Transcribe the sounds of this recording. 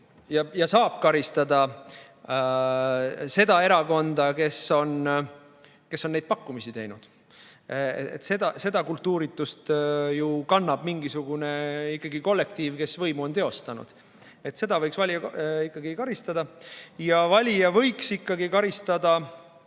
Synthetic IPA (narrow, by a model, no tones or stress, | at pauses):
jɑjɑsɑːb̥kɑɾist̪ɑd̪̥ɑ | se̞d̪̥ɑe̞ɾɑko̞nd̪̥ɑke̞so̞n | ke̞sːo̞nːejd̪̚pɑkːumisit̪e̞jnud̪̥ | ḛt̪se̞d̪ɑse̞d̪ɑkult̪ːˑuːɾit̪ːˑust̪jukɑnːɑb̥miŋɡisuɡ̥une̞ikˑːɑɡiko̞lːe̞kt̪iːvke̞svɤjmuo̞nt̪e̞o̞st̪ɑnṵd̪̥ | e̞t̪se̞d̪ɑvɤjksvɑlʲijɑikˑːɑɡikɑɾist̪ɑd̪ɑjɑvɑlʲijɑvɤ̞jksikːɑɡikɑɾist̪ɑd̪ɑ